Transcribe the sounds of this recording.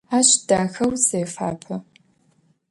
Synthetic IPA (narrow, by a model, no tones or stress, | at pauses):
aːɕd̥aːxɐwseːfa̰ːpʰɐ